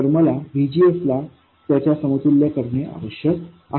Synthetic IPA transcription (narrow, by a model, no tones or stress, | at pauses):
əɾməlaʋʱid͡ʑiːəsla | t̪jat͡ɕjasəmət̪uljakəɾɳeʔa̰ʋəɕjək | a